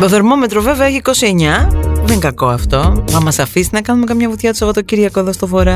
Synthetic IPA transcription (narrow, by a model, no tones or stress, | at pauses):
t̪oðoɾmo̞met̪ɾoveveɐeçiko̞sie̞ɲɐðeŋkɐko̞ɐft̪o̞mɐmɐsɐfisnɐkɐnume̞kɐmɲɐvut̪çɐt̪u̥sɐpot̪ociɾʝɐkoeðost̪ofo̞ɾɐ